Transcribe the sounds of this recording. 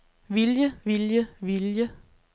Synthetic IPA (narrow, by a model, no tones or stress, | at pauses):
ʋiljəʋiljəʋiljə